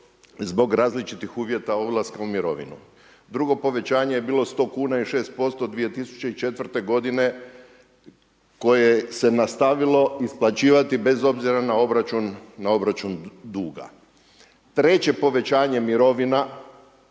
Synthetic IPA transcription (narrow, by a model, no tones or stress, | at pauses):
zbo̞ɡɾaːzlit͡ʃit̪ixuːʋje̞t̪aoblˠaskaumiɾo̞̰ʋḭnṵ | d̪ɾuɡo̞po̞ʋe̞t͡ɕaːɲe̞je̞biːlˠo̞st̪o̞kuːnaiʃe̞ːst̪̚po̞st̪o̞d̪ʋije̞t̪isu̥t͡ɕeit͡ʃe̞t̪ʋr̩t̪e̞ɡo̞d̪ine̞ | ko̞jese̞nast̪aʋilo̞isplˠat͡ɕiːʋat̪ibe̞zo̞bziɾanao̞bɾat͡ʃunːao̞bɾat͡ʃund̪uːɡa̰ | t̪ɾe̞t͡ɕe̞po̞ʋe̞t͡ɕaːɲe̞miɾo̞ʋina